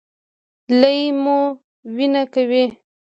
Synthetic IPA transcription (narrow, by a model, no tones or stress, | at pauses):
ləjmo | winakawi